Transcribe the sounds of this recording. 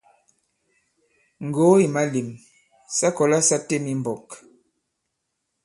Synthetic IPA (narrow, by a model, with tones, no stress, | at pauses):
ŋ̩˨ɡo˨˦i˨ma˦li˨m | sa˦kɔ˨la˦sa˦te˦mi˦m̩˨bɔ˨k